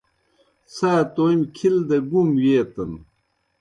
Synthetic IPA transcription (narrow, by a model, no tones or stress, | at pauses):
saːt̪oimkʰild̪ɐɡumwjeːt̪ɐn